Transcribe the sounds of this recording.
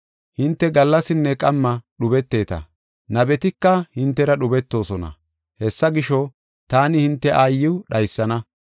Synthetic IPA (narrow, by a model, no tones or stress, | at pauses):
hɪnt̪ːɛɡɐlːɐsɪnːɛkʼɐmːɐɗʊbɛt̪ːe̞ːt̪ɐ̰ | nɐbɛt̪ɪkːɐhɪnt̪ːɛɾɐɗʊbɛt̪ːo̞ːsɔnɐ̰ | hɛsːɐɡɪʃɔ | t̪aːnɪhɪnt̪ːɛʔaːjːɪwɗɐjsːɐnɐ